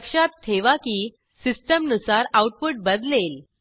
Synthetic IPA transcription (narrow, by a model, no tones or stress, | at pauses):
kʂat̪̚tʰːeʋaki | sisʈəmnusaɾauʈ̚puʈ̚bəd̪lel